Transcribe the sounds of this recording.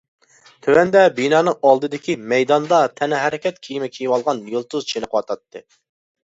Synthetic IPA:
t̪ʰøwɛnd̪ɛbinɑːnɨŋɑlˠd̪ɨd̪ɪkʲimɛjd̪ɑnd̪ɑt̪ʰɛnɪɦɛɾɪkʲɛt̪̚kʲʰijimɛkʲʰijɪwɑlˠʁɑnjolˠt̪uzt͡ʃʰenɨqʰwɑt̪ʰɑt̪ːɨ

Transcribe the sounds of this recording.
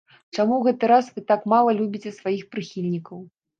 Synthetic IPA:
t͡ʂamuɣɛt̪ɨɾasvɨt̪akmalˠɐlʲubʲit͡sʲɛsvajixpɾɨxʲilʲnʲikɐw

